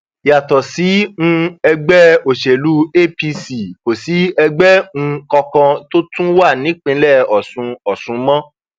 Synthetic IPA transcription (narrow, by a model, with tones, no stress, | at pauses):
ja˨tɔ˨si˨˦ŋũ˧ɛ˧ɡ͡bɛ˦o˨ʃe˨lu˨˦e˦˨pi˧si˨ko˨si˨˦ɛ˧ɡ͡bɛ˦ŋ̩̃˧kɔ˧kã˧to˦tũ˦wa˦˨nĩ˨˦k͡pĩ˧˦lɛ˦˨ɔ˨sũ˧ɔ˨sũ˧mɔ̃˦